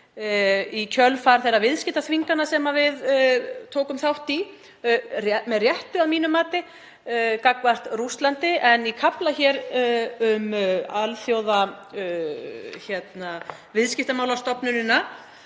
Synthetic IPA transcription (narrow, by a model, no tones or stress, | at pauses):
icʰœlfaɾ̥θɛravɪðscɪht̪aθviŋkanasɛmavɪðt̪ʰoːwkʏmθawht̪i | rɛmɛðrjɛht̪ʏaðmiːnʏmːaːt̪ɪ | kakvar̥t̪rust̪lant̪ɪɛnikʰaplaçɛɾʏmalθjowða | çɛt̪na | vɪðscɪht̪amaːwlast̪ɔpnʏnɪnːa